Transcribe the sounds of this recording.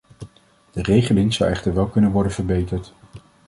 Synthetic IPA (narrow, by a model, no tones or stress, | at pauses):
d̥ərejχəlɪŋz̥ɑwɛχtəɹʋɛlˠkɵnənʋɔɹdənvəɹbejtəɹt